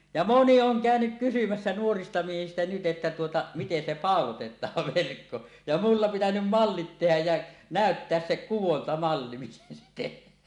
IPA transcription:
jɑ moni oŋ kæˑønyk kysymæsːæ nuoristɑ miehistæ nyt ʔetːæ tuotɑ miten se pɑˑolotetˑɑːʋ ʋerkːo jɑ mulːɑ pitænym mɑlːit tehæj jæ næˑøtːeæs se kuwontɑmɑlːi miten se tehˑæː

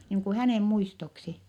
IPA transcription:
niːŋ ku hæneˑm muistoksi

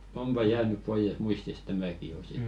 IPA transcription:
ompɑ jæːnyp poijes muistist̆ tæmæki jo sit

